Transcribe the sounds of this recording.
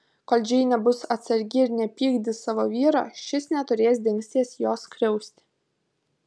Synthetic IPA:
koːlʲd͡ʒʲɛɪnʲɛbʊsɐt̪sɐɾʲɡʲɪɪɾnʲɛpʲiːɡd̪ʲɪsɑːʋoːʋʲiːɾɑ̰ːʃʲɪsnʲɛt̪ʊɾʲeːs̬ʲd̪ʲɪŋʲksʲt̪ʲiɛsjoːskɾʲɛʊsʲt̪ʲɪ̥

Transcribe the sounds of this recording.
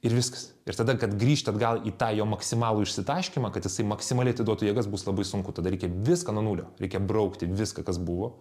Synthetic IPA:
ɪɾʋʲɪskɐ̥s | ɪ̰ɾt̪ɐd̪ɐkɐt̪ɡɾʲiːʃʲt̪ʲɐd̪ɡɐlˠiːt̪ɑːjoːmɐksʲɪmɑːlˠuːɪʃʲsʲɪt̪ɐɪʃʲkʲɪmɑkɐt̪jɪsɐɪmɐksʲɪmɐlʲɪɐt̪ʲɪd̪uɔt̪uːjiɛɡɐsbuːslˠɐbɐɪsʊŋkʊt̪ɐd̪ɐɾʲɛɪkʲɛʋʲɪskɐnuɔnuːlʲo̰ːɾʲɛɪkʲɛbrɐʊkt̪ʲɪʋʲɪskɐkɐsbʊʋoː

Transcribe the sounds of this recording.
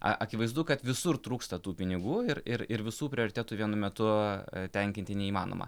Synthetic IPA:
ɐ̰ʔɐkʲɪʋɐɪzd̪ʊkɐt̪ʋʲɪsʊrt̪ɾuːkst̪ɐt̪uːpʲɪnʲɪɡuːɪɾɪɾɪɾʋʲɪsuːpʲɾʲɪoːɾʲɪt̪ʲæːt̪uːʋʲiɛnʊmʲɛt̪ʊt̪ʲɛŋʲkʲɪnt̪ʲɪnʲɛiːmɑːno̰ːmɐ̰

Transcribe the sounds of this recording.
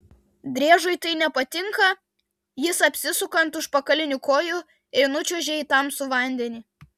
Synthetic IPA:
d̪ʲɾʲiɛʒʊɪt̪ɐɪnʲɛpɐt̪ʲɪŋkɐ | jɪsɐpʲsʲɪsʊkɐnt̪ʊʃpɐkɐlʲɪnʲʊkoːjʊ | ɛɪnʊt͡ʃʲʊʒʲɛɪt̪ɐmsʊʋɐˑnʲd̪ʲɛnʲiː

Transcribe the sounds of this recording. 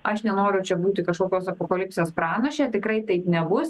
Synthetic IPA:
ʔɐʃnʲɛnoːɾʲʊt͡ʃʲɛbuːt̪ʲɪkɐʃkoːkʲoːsɐpoːkɐlʲɪpʲsʲeːspɾɑːnɐʃʲeːt̪ʲɪkɾɐɪt̪ɐɪpnʲɛbʊs

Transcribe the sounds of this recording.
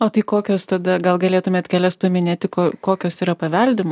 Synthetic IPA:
oːt̪ɐɪkoːkʲoːst̪ɐd̪ɐɡɐlˠɡɐlʲeːt̪ʊmʲeːt̪kʲæːlʲɛspɐmʲɪnʲeːt̪ʲɪkoːkoːkʲoːsiːɾɐpɐʋʲɛlʲd̪ʲɪmoː

